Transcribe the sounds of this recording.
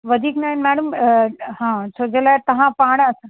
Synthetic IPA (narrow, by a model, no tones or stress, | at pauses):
ʋɐd̪ʱiːknaːɦɪnmɛːɽəmɦãːsʰoːd͡ʑelaːɪt̪ɐʋ̤ãpaːɽ̃ɐsã